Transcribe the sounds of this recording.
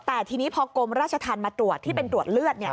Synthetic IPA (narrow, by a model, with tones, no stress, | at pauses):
t̪ɛː˨˩t̪ʰiː˧niː˦˥pʰɔ˧ko˧mɾaː˥˩t̪̚t͡ɕʰa˧t̪ʰaː˧nmaː˧t̪ɾu˨˩ət̪ʰːiː˥˩pe˧nt̪ɾu˨˩ət̪̚lɯ˥˩ət̪̚ni˥˩ɐ